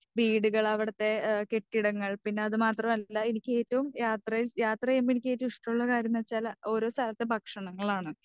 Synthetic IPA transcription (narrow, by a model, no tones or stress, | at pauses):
biːɽuɣɐɭɐʋiɽɐt̪ːe̞ke̞ʈːiɽɐŋːɐɭpinːe̞ɐðɨmaːt̪rɐmɐlːɐenikʲːɨe̞ːtːɐʋumjaːt̪rɐjiljaːt̪rɐemenikʲːe̞ːtːɐmiʂʈɐmuɭːɐkaːɾjɐmɐt͡ɕːaːlo̞ːɾo̞ːst̪aːlɐt̪ːe̞bʱɐkʂɐɳɐŋːɐɭaːɳɨ